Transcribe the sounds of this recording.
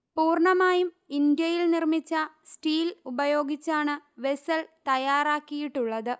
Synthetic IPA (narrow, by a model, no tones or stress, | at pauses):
puːrɳɐmaːjum | ind̪jɐjilnirmit͡ɕːɐsʈiːlubɐjo̞ːɡit͡ɕːaːɳɨʋe̞sɐlt̪ɐjaːɾaːkːijiʈːuɭːɐðɨ